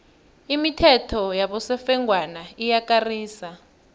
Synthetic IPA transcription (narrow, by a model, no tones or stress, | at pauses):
imitʰɛtʰɔjaɓɔsɛfɛŋɡwanaijakariːsa